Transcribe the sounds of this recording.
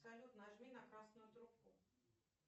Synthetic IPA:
sɐlʲut̪nəʐmʲinɐkɾasnʊjʊt̪ɾʊp̚ku

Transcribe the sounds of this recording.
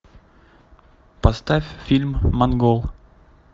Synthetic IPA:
pɐst̪afʲfʲilʲmːɐnɡolˠ

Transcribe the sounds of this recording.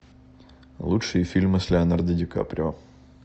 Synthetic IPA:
lˠutʂɨjəfʲilʲmɨsʲlʲɛɐnɐrd̪ədʲɪka̰pɾʲɪo

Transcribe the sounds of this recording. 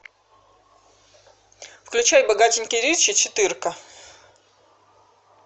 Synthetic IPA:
fklʲʉt͡ɕajbɐɡatʲɪnʲkʲəjɾʲet͡ɕɪt͡ɕɪt̪ɨrkə

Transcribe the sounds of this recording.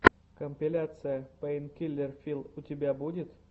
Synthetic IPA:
kəmʲpʲɪlʲat̪sɨjəpəɪnkʲilʲːɪrfʲilˠʊtʲɪbʲabudʲɪt̪

